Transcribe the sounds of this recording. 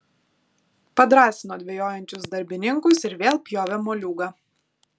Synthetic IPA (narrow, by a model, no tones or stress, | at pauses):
pɐd̪ɾɑːsʲɪnoːd̪ʲʋʲɛjoːjɛnʲt͡ʃʲʊsd̪ɐɾʲbʲɪnʲɪŋkʊsɪɾʋʲeːlˠpʲjoːʋʲɛmoːlʲuːɡɑː